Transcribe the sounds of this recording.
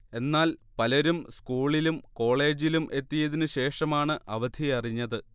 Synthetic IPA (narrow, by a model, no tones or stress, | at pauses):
e̞nːaːlpɐlɐɾumskuːɭilumko̞ːɭe̞ːd͡ʑilumʔe̞t̪ːijɐðinɨɕe̞ːʂɐmaːɳɨʔɐʋɐd̪ʱiɐriɲːɐðɨ